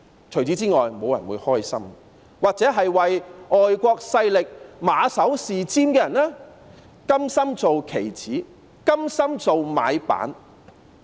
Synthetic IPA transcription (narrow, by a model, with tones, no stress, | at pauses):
t͡sʰɵ˨˩ɥt͡siː˨˥t͡siː˥ŋɔː˨˩jmo˨˧wjɐ̰˨˩nwuː˨˧jhɔː˥jsɐ̰˥m | waː˨k̚t͡sɛː˨˥ɦɐ˨jwɐ˨jʔɔː˨jkʷɔː˧k̚sɐ˧jlɪ˨k̚maː˨˧sɐ˨˥wsiː˨t͡siː˥mkɛː˧jɐ˨˩nlɛː˥ | kɐ˥msɐ˥mt͡so˨wkʰe˨˩jt͡sʰiː˨˥ | kɐ˥msɐ˥mt͡so˨wma̰ː˨˧jpa̰ː˨˥n